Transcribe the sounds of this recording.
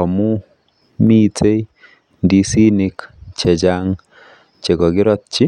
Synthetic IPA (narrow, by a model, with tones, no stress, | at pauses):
ɔ˨mu˦ | mi˦tʰe˦i | ndi˦si˦ni˦kt͡ʃɛ˨d͡ʒa˦ŋ | t͡ʃe˨ɡɔ˨ɡɪ˦ɾɔ˦t̚t͡ʃi˦